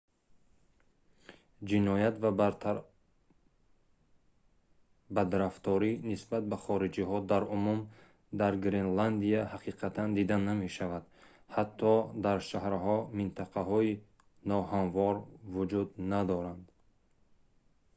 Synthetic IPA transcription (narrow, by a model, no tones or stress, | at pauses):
d͡ʒinɔjat̪va | bad̪ɾaft̪ɔɾinisbat̪̚baχɔɾid͡ʒiɦɔd̪aɾumum | d̪aɾɡɾenland̪iahaqʰiqʰat̪ʰand̪id̪aname̞ʃavad̪ | hat̪ʰːɔd̪aɾʃahɾhɔmint̪ʰaqʰaɦɔi | nɔhanvɔɾvud͡ʒud̪nad̪ɔɾand̪